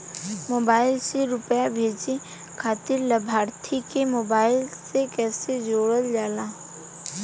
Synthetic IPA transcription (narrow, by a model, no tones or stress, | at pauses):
moːbaːɪlseɾʊpjabʱeːd͡ʒe | kʰaːt̪ɪɾləbʱaːɾt̪ʰikemoːbaːɪlsekɛːsed͡ʒoːɽəld͡ʒaːlaː